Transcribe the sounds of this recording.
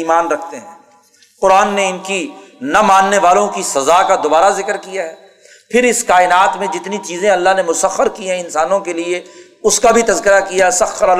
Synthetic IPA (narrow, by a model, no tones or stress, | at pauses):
iːmaːnɾɐkʰt̪eɦɛ̰̃ː | qʊɾaːnːeɪnkinɐmãːnːeʋaːlõkisɐzakad̪obaːɾazɪkəɾkijaɦɛː | pʰɪɾɪskaːɪnaːt̪mẽd͡ʒɪt̪nit͡ʃiːzẽɐlːaɦnemʊsəxəɾkiɦɛ̃ɪnsaːnõkelie | ʊskabʱit̪ɐzkɪɾakijasɐxːəɾɐ